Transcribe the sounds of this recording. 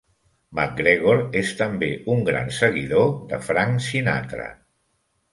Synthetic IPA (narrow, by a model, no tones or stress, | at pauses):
mak̚ɡɾeɣ̞oɾest̪əmbeuŋɡɾa̰nsəɣiðoðə̰fɾaŋsina̰t̪ɾə̰